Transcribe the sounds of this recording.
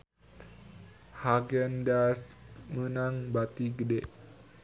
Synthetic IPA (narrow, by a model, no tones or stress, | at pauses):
haɡɛndasmənaŋbat̪iɡədɛʔ